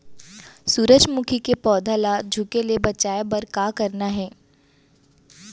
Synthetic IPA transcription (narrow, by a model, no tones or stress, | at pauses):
suːɾəd͡ʒmukʰikepɔːd̪ʱalad͡ʒʱukeliebɐt͡ʃaːebɐɾkaːkɐɾnaɦɛː